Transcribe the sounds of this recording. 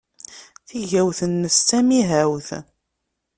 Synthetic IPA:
θiʝæwθənːəst͡sːæmiɦæwθ

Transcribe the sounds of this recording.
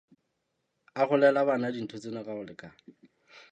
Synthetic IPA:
aχʊlɛlabanadin̩tʰʊt͡sʼenaraʊlɪkʼa

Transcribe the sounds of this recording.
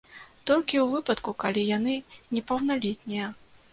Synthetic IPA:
t̪ɔlʲkʲiwvɨpɐt̪kukalʲijan̪ɨnʲɛpɐwnalʲɛt̪̚ʲnʲijɐ

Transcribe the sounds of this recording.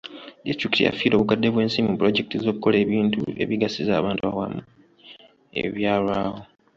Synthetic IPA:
distɾiktija̰fiːɾo̞βukadːe̞βwe̞ːnsiːmimupuɾo̞ɟe̞kitizo̞ːkuko̞le̞ːβiːntṵe̞̰βiɡasiza̰ːβaːntuβawa̰mu | e̞̰βjaːlwaːho̞

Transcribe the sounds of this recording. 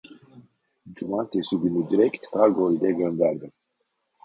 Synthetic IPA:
d͡ʒumant̪ʰesyɡʲynyd̪iɾɛkt̪kaɡojid̪ɛɡʲønd̪æɾd̪im

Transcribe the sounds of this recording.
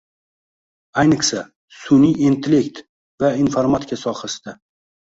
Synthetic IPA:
ajnɪχsa | sʊnijent̪ʰlekt̪ | vainfaɾmat̪ʰɪ̥kʰʲasɒχasd̪ɪ

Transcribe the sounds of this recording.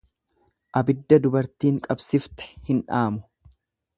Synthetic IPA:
ʔɐbɪd̪ːɐd̪ʊbɐɾt̪iːŋkʼɐbsɪft̪ɛ̥hɪnᶑaːmʊ

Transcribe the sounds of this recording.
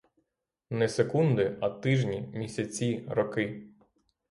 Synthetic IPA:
nɛsekund̪ɪɐt̪ɪʒnʲimʲisʲɐt͡sʲiɾɔkɪ

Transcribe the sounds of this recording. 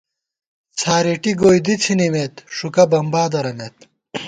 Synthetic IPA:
t͡sʰaːɾeʈiɡoːjd̪it͡sʰinimeːt̪ʂukɐbɐmbaːd̪ɐɾɐneːt̪̚

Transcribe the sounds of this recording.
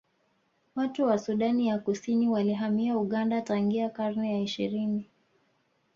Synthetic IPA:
watuwasuɗanijakusiniwaliɦamiauɠandataŋɡiakaɾnɛjaiʃḭɾini

